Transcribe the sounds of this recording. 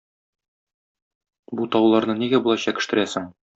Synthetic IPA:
but̪ɒwlˠɑɾnɤniɡæbulˠɑɕɑkɘ̆ʃt̪ɘ̆ɾæsɘŋ

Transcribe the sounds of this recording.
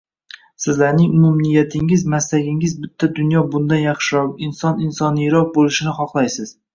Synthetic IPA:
sɪzlaɾnɪŋʊmʊmnɪjːat̪ʰɪŋɪzmaslaɡʲɪŋɪzbɪt̪ʰːad̪ʊnjɒbʊnd̪anjɑχʃɪɾɒp̚ɪnsɒnɪnsɒnɪjɾɒq̚bolɪʃɪnɪχɒχlˠajsɪz̥

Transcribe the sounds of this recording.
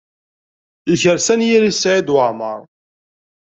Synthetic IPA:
içəɾsænjiɾisːʕid̪wəʕmə̰ɾˤ

